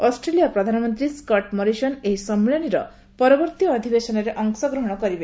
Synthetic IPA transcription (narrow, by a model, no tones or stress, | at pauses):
ɔsʈɾelijapɾɔd̪ʱanɔmɔnt̪ɾiskɔʈmɔɾisɔneɦisɔmːiɭɔɽ̃iɾɔ | pɔɾɔbɔɾt̪ijːd̪ʱibesɔnɔɾeʔɔŋsɔɡɾɔɦɔɽ̃ɔkɔɾibe